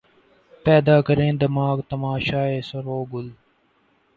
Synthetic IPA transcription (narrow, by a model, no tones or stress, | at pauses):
pɛːd̪aːkəɾẽːd̪əmaːkt̪əmaːʃaːeːsəɾoːɡʊl